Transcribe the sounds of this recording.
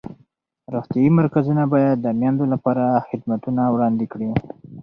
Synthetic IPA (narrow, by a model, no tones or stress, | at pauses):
ɾoxt̪jɑimaɾkazunabɑjad̪ːəmjɑnd̪olapɑɾaxɪd̪mat̪unawɽɑnd̪ɪkɽi